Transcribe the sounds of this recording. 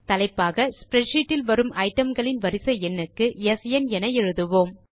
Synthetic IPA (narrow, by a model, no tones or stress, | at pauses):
t̪ɐlɐɪpːaːɣɐspɾɛʈʂiːʈːɪlʋɐɾɯmʔɐɪʈːɐmɡɐɭɪnʋɐɾɪsɐɛnːɯkːɯɛsjɛnɛnɐjɛɻɯðɯʋoːm